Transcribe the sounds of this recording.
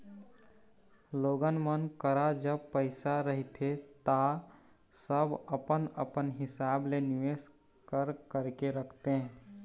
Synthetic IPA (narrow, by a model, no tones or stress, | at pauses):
loɡənmənkəɾad͡ʒəbpəɪsaɾəɦit̪ʰet̪a | səbəpənə̰pənɦɪsableniʋes | kəɾkəɾkeɾəkʰt̪e